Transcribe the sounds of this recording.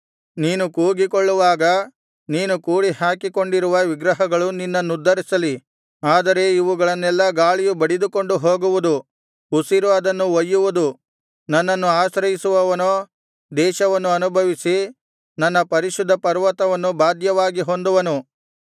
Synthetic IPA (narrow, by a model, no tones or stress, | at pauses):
niːnukuːɡikoɭːuʋaːɡɐ | niːnukuːɽihaːkiko̞ɳɖiɾuʋɐʋiɡɾɐɦɐɡɐɭuninːɐnːud̪ʱːɐɾisɐli | aːd̪ɐɾe̞iʋuɡɐɭɐnːɛlːɐɡaːɭijubɐɽid̪uko̞ɳɖuɦo̞ːɡuʋud̪u | usiɾuʋɐd̪ɐnːuʋɐjːuʋud̪u | nɐnːɐnːuaːʃɾɐjisuʋɐʋɐnoː | d̪ɛːʃɐʋɐnːuɐnubʱɐʋisi | nɐnːɐpɐɾiʃud̪ʱːɐpɐɾʋɐt̪ɐʋɐnːubaːd̪jɐʋaːɡiɦo̞nd̪uʋɐnu